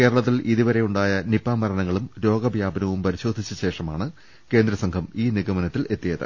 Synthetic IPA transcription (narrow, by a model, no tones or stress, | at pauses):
ke̞ːɾɐɭɐt̪̬ːilʔiðuʋɐɾe̞juɳɖaːjɐnipːaːmɐɾɐnɐŋːɐɭumɾo̞ːɡɐbʱjaːbʱɐnɐʋumpɐɾiɕo̞ːd̪ʱit͡ɕːɐɕe̞ːʂɐmaːɳɨ | ke̞ːnd̪ɾɐsɐŋɡʰʱɐmiːniɡɐmɐnɐt̪ːile̞t̪ːijɐðɨ̰